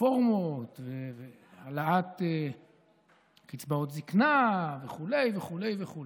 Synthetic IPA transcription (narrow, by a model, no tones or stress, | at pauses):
oʁmot̪veve | alaat̪e | kit͡sbaot̪ziknaveχule̞jveχule̞jveχulj